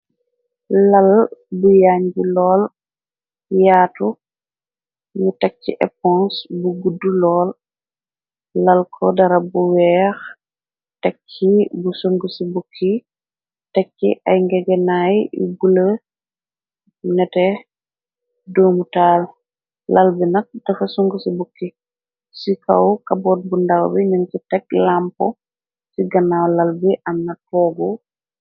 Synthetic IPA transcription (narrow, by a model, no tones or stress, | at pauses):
lɐlbujaːɲbilɔːl | jaːtu | ɲutak̚t͡ʃːiʔɛ̰pɔ̃nsbuɡudːulɔːl | ɐlkʰɔdɐɾɐbuwɛːx | takkːibusoŋɡusibukʰːi | tɛkːḭʔa̰jŋɡɛɡɛnajḭbulə | nɛtɛ | doːmutaːl | lalbinɐt̚d̥ɐfɐsuŋɡəsibukːi | sika̰wkabɔt̚bundawbiɲunsitɛk̚lampɔ̰ | siɡɐnawlalbiʔɐmnɐt̚pɔːɡɔ